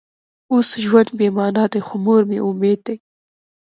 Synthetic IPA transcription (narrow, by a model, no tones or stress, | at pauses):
osʒwand̪̚bemɑnɑd̪ajxomoɾmeʔʊmed̪̚ːej